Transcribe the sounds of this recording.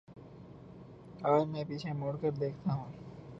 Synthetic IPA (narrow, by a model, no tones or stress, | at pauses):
aːɾmɛ̃ːpit͡ʃʰemoɽkəɾd̪eːkʰt̪aɦũː